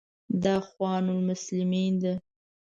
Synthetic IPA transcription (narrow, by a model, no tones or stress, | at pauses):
d̪ɑxwɑnʊlmʊslɪmind̪a